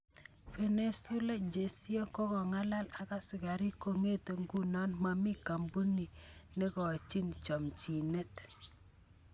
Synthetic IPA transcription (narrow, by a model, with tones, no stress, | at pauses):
fe˨ne˨su˦la˦d͡ʒe˨si˦o˦kɔ˦kɔ˨ŋa˦la˦la˨ka˦sɪ˨ɡa˨ɾi˦ko˨ŋe˦te˨ŋɡu˦nɔ˦nma˨mi˦ka˨mbu˦ni˨ne˦kɔ˨t͡ʃi˦nt͡ʃɔ˨mt͡ʃi˨ne˦t